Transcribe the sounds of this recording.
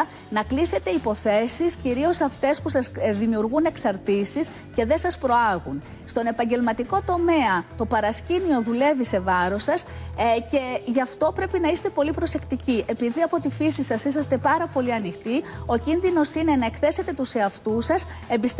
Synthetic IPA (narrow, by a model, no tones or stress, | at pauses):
nɐklise̞t̪e̞ipo̞θe̞sisciɾio̞sɐft̪e̞spusɐsðimiuɾɣune̞ksɐɾt̪isis | ce̞ðe̞sɐspɾo̞ɐɣun | st̪o̞ne̞pɐɲɟe̞lmɐt̪iko̞t̪o̞me̞ɐt̪o̞pɐɾɐscinio̞ðule̞vise̞vɐɾo̞sɐsce̞ʝɐft̪o̞pɾe̞pinɐist̪e̞po̞lipɾo̞se̞kt̪iciʔe̞piðiɐpo̞t̪ifisisɐsisɐst̪e̞pɐɾɐpo̞liɐnixt̪io̞cinðino̞sine̞nɐe̞kθe̞se̞t̪e̞t̪use̞ɐft̪usɐs | e̞mbist̪